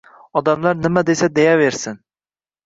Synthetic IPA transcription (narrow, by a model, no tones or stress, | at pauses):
ɒd̪amlaɾnɪmad̪e̞sad̪e̞jave̞ɾsɪn